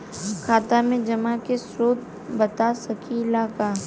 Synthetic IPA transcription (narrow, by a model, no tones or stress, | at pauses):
kʰaːt̪amẽd͡ʒɐmakesɾoːt̪̚ | bɐt̪asɐkʰilaːkaː